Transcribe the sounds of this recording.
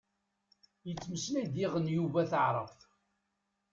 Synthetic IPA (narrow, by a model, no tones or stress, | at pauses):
jət͡sːməslæjd̪ɪʁənjuvæθəʕɾˤə̰f